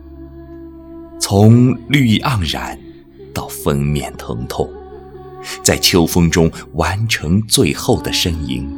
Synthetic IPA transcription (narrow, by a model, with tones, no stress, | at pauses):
t͡sʰʊ˧˥ŋly˥˧ʔɑ˥˩ŋɻa̰˨˩˥n | t̪ɑ˥˩ʊfə˥nmjɛ˥˩nt̪ʰɤ̰˧˥ŋt̪ʰʊ˥˩ŋ | t͡sa˥˩ɪt͡ɕʰjo˥ʊfɤ˥ŋʈ͡ʂʊ˥ŋwa˧˥nʈ͡ʂʰɤ˧˥ŋt͡swe˥˧ɪxo˥˩ʊd̪ə˩ʂə˥ŋḭ˧˥ŋ